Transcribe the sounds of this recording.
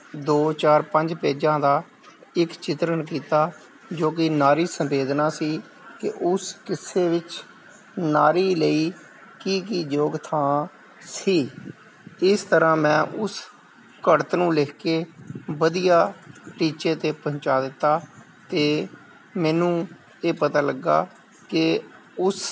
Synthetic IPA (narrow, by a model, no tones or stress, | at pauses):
d̪oːt͡ʃaːɾpəɲd͡ʒpeːd͡ʒãːd̪aː | ɪkt͡ʃɪt̪ɾəɳkiːt̪aː | d͡ʒoːk̬ɪnaːɾiːsəmbeːd̪naːsiː | kɪ̰ʔʊskɪseːʋɪt͡ʃ | naːɾiːləiː | kiːk̬iːd͡ʒoːɡt̪ʰãː | siː | ɪst̪əɾãːmɛ̃ːʔʊs | kəɽt̪nũːlɪːkʰkeːʋəd̪ijaːʈiːt͡ʃeːt̪eːpəɦɲt͡ʃaːd̪ɪt̪ːaː | t̪eː | mɛːnũː | eːpət̪aːləɡːa̰ː | kɪ | ʊs